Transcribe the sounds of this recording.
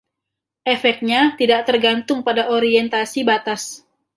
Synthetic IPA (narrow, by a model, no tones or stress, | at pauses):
ʔɛfɛk̚t̪̚ɲat̪idaʔ̚t̪ərɡant̪ʊŋpadaʔoɾiɛnt̪asibat̪as